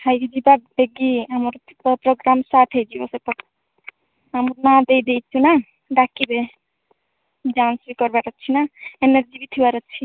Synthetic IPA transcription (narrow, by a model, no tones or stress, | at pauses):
hajɡid͡ʒibabeɡiɦamɾ | pɾoɡɾamsaʈʰɦed͡ʒibɔsepɔ | ɦamɾnad̪ejd̪ejt͡ʃʰuna | ɖakːibe | ɖãnsbikɔɾbaɾət͡ʃʰinaeneɾd͡ʒibit̪ʰiwaɾət͡ʃʰi